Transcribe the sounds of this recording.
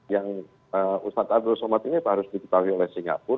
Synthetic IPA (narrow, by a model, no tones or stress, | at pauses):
jaŋ | əust̪at̪adosamat̪init̪ɦaɾʊsdikə̥t̪awiolɛhsiŋɡa̰pʊr